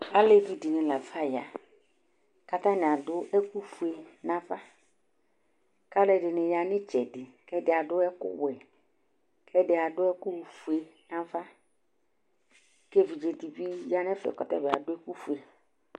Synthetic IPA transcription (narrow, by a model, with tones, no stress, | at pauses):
a˦le˦vi˨di˨nɪ̃˨la˨fa˦ja̰˨ | ka˨t̪ã˦nɪ˨a˨dʊ˦ʔɛ˦ku˦fu˨e˨nã˨va˦ | ka˦lʊ˦ɛ˨dɪ˨nɪ˨ja˨nɪ˦t͡ʃɛ˨dɪ˨kɛ˦dɪ˨a˨dʊ˦ɛ˦kʊ̰˦wɛ˨ | kʰɛ˦dɪ˨a˨dʊ˦ɛ˦kʊ˦˨fu˨e˨nã˦va˦ | ke˦vi˨d͡ʒe˨ti˨bi˦ja˦n˦ɛ˦fɛ̰˨kɔ˨tɛ̰˦˨bɪ˨a̰˨dʊ˦ɛ˦ku˦fu˨e˨